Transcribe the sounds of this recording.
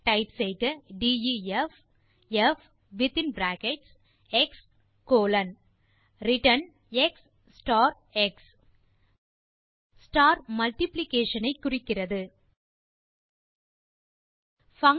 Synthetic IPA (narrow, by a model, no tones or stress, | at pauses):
ʈɐɪpsɐɪkɐɖiːiɛf | ɛf | ʋɪt̪ɪnbɾaːkɛʈs | ɛks | koːlɐn | ɾɪʈɐn | ɛksː | ʈaːɾ | ɛks | sʈaːɾmɐlʈɪplɪkeːʂɐnɐɪkːʊrɪkːɪrɐðɯ | fɐŋ